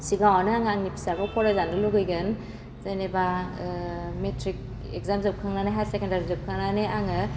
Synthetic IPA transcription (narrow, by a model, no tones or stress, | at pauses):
siɡawanɯaŋaŋnipʰi̥sabɔpʰɔɾazanɯluɡɯjɡɯn | zajneba | metʰɾik̚ | ekzamzɯp̚kʰaŋnanajɦatsekendaɾizɯp̚kʰaŋnaneaŋɯ